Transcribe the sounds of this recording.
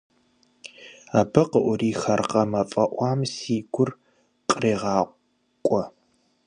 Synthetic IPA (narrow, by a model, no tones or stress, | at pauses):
aːbɐqəʔʷʊriːxɐrqɐmɐfʼɐʔʷɑːmsiːɡʷʊr | qʼəriːʁɑːqʷ | kʷʼɔ